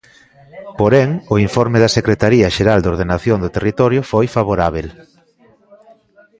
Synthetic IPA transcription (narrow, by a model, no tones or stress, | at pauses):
poɾɛŋʊiɱfoɾmeðɐsekɾet̪aɾiɐʃeɾald̪oɾð̞enaθjoŋd̪ʊt̪erit̪ɔɾjofojfaβ̞oɾaβ̞el